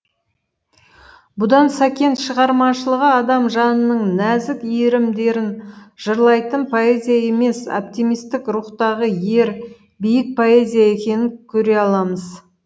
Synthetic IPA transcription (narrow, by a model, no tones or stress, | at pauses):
bʊd̪ɑnsækʲe̞nt̪ʃəʁɑɾmɑʃəlˠəʁəɑd̪ɑmʒɑnənəɴnæzɪkijɾɪmd̪e̞ɾɪnʒ̥əɾlˠɑjt̪ənpʰo̞e̞zʲijae̞me̞so̰p̚t̪imijst̪ɪkɾuqt̪ɑʁəje̞ɾ | bijɪk̚pʰo̞e̞zʲijae̞kʲe̞nɪŋkʲʰɵɾe̞ɑlˠɑməz